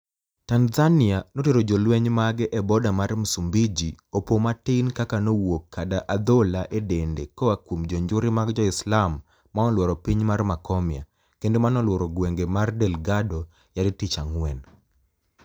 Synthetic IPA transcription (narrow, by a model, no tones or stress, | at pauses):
tanzanɪanoteɾod͡ʒolwɛɲmaɡɛʔɛbɔdamarmusumbid͡ʒiopomatinkakanowokʰːadaʔad̪olaʔedendekɔakwumd͡ʒɔɲd͡ʒʊɾɪmaɡd͡ʒɔɪslamː | aɔlwɔɾɔpiɲmarmakɔmɪja̰ | kendomanɔlwɔɾɔɡweŋɡemardɛlɡado | jadɪtit͡ʃaŋwɛn